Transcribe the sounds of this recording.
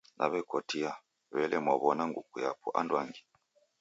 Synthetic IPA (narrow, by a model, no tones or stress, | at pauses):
nʔa̰βɛkɔtia | βɛlɛmwaβɔnaŋɡukuja̰puʔa̰ndwaŋɡi̥